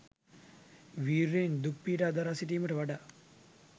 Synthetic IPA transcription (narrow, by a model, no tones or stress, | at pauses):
ʋiːɾːend̪uk̚piːʈaːd̪aɾaːsiʈiːməʈəʋaɖa